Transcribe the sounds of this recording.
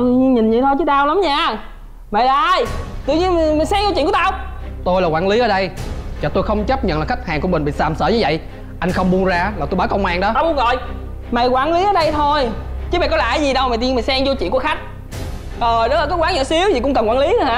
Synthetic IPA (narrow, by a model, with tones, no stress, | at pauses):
ɲi˧nɲi˨˩n̟zi˨˩t̪ʰo˧jt͡ɕɨ˨˦˥t̪aː˧wla˨˦mɲaː˧ | ma˨˩laː˧jt̪ɨ̰˧˨ɲi˧ənm˨˩mï˨˩ŋ̟sɛː˧ŋzo˧t͡ɕi˧˨kt̪aː˧w | t̪o˧jlaː˨˩kwaː˨˦nli˨˦ʔəː˨˩˦ɗə˧jt͡ɕɔː˨˩t̪o˧jxə˧wŋ͡mt͡ɕə˦˥p̚ɲə̰˧˨nlaː˨˩xa˦˥k̚haː˨˩ŋku˧əmï̟˨˩ɓḭ˧˨saː˨˩msəː˧˩ɲɨ˧və̰˧˨j | ʔa˧jŋ̟xə˧wŋ͡mɓu˧ənzaː˧laː˨˩t̪o˧jɓaː˨˦kə˧wŋ͡mmaː˧˩ŋɗɔ˨˦a˧wʊ˧˦nɣɔ˧˨j | ma˨˩jkwaː˨˦nli˨˦ʔəː˨˩ɗə˧jt̪ʰo˧jt͡ɕɨ˦mɓa̰ː˨˩kɔ˨˦la̰ː˧˨jzi˨˩ɗə˧wma˨˩t̪i˧mi˨˩ŋsɛ˧ŋzo˧t͡ɕḭ˧˨nku˧˩əxa˦˥k̚ | zə˨˩jɗɨ˨˦˥laː˨˩kɔ˨˦kwaː˨˦ŋɲə̰˧˨si˨˦əwzi˨˩kʊ̰˧˥ŋ͡mkə˨˩nkwaː˨˦li˨˦˨haː˧˦